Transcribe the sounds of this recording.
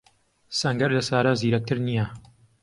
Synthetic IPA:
sɐŋɡɐɾlɐsaːɾaziːɾɐk̚t̪ʰɨɾnija

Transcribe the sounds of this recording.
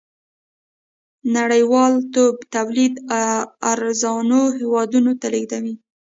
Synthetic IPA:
naɽəjwɑlt̪obt̪awlid̪aaɾzɑnoɦewɑd̪unot̪aleɡd̪awi

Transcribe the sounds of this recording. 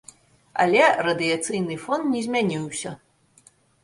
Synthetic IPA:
ɐ̰lʲɛrɐd̪ɨjat̪sɨjnɨfɔnt̪nʲɛzʲmʲanʲiwsʲɐ

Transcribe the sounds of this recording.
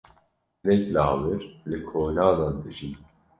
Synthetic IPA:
lɛklaːwɨɾlɨkʰoːnaːd̪ɑːnd̪ɨʒin

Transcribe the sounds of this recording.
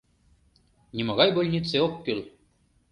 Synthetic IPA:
nʲimoɣɑjbolʲnʲit̪seokːøl

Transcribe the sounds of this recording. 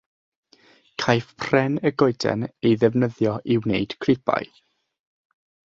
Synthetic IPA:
kʰajfpʰrɛnəɡɔɨdɛ̰nejðɛvnəðjɔʔɪwnejd̥kʰrɪpʰa̰j

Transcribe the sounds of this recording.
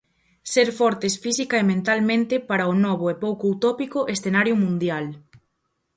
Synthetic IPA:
seɾfɔɾt̪esfisikaemẽnt̪almẽnt̪ɪpaɾaʊnɔβʊepowkout̪ɔpikʊʔesθenaɾjʊmũnd̪jal

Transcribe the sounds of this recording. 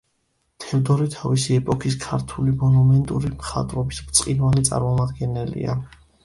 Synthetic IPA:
t̪ʰɛvd̪ɔɾit̪ʰavisiɛpʼɔkʰiskʰaɾt̪ʰulimɔnumɛnt̪ʼuɾimχa̰t̪ʼɾɔbisbt̪sʼqʼinwalit̪sʼa̰ɾmɔmad̪ɡɛnɛlḭa̰

